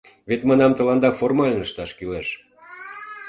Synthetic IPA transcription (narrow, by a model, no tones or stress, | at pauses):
βet̪mɑnɑmt̪ə̆lɑnd̪ɑformɑlʲnəʃt̪ɑʃkyleʃ